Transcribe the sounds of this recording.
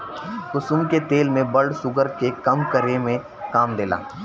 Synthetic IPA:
kʊsʊmket̪eːlmẽbɐlɖsʊɡəɾkekɐmkəɾemẽ | kaːmd̪eːla̰ː

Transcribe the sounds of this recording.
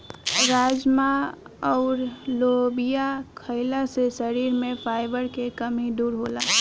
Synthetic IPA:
ɾaːd͡ʒmaɔːɾloːbijakʰəɪlasesəɾiːɾmẽfʰaːɪbəɾkekɐmid̪uːɾɦoːlaː

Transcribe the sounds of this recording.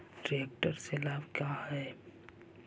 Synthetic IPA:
ʈɾiek̚ʈəɾselaːbkjahɛː

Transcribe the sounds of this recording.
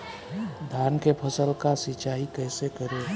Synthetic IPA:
d̪ʱaːnkepʰəsəlkasɪt͡ʃaːɦikɛːsekəɾe

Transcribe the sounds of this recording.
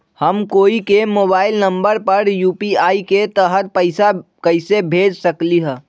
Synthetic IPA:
həmkoːikemoːbaːɪlnə̃mbəɾpəɾjuːpiaːiket̪əɦət̪̚pəɪsa | kəɪsebʱeːd͡ʒsəkliɦɛ̃ː

